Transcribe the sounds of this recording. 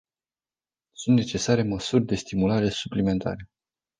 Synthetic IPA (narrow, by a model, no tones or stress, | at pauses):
sunt̪ne̞t͡ʃe̞saɾe̞məsurʲd̪e̞st̪imulaɾe̞suplime̞nt̪ʰa̰ɾe̞